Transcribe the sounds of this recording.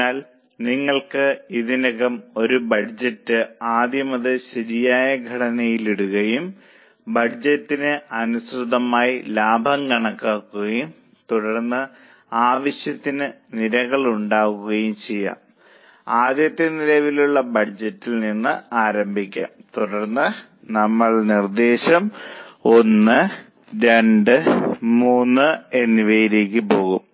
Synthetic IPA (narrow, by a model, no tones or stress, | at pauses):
aːl | niŋːɐɭkɨiðinɐɣɐmo̞ɾubɐd͡ʑɐtːɨaːd̪jɐmɐðɨɕɐɾijaːjɐɡʱɐɽɐnɐjiliɽuɣɐjum | bɐd͡ʑɐtːinɨɐnusrud̪ɐmaːjilaːbʱɐŋkɐɳɐkːaːkːuɣɐjum | t̪uɽɐrnːɨ | aːʋɐɕjɐt̪ːinɨniɾɐɣɐɭuɳɖaːɣuɣɐjumt͡ɕe̞jːa̰ːm | aːd̪jɐt̪ːɐnilɐʋiluɭːɐbɐd͡ʑɐtːilninːɨaːɾɐmbʱikʲːa̰ːmt̪uɽɐrnːɨ | nɐmːɐɭnird̪e̞ːɕɐmo̞nːɨ | ɾe̞ɳɖɨmuːnːɨenːiʋejiɾeːkʲːɨpo̞ːɣum